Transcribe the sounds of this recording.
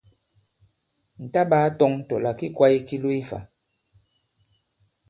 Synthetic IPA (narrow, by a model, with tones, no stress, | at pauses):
n̩˨ta˦baː˨˦tɔ˦ŋtɔ˨la˨ki˦kwa˦i˦ki˦lu˦i˦fa̰˨